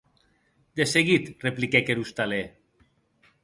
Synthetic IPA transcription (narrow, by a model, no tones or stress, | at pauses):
d̪eseɣit̪replikekeɾust̪ale